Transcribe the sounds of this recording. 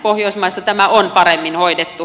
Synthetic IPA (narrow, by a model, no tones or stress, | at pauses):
pohjoˑismɑist̪ɑt̪æmæonpɑremːinhoidet̪ːu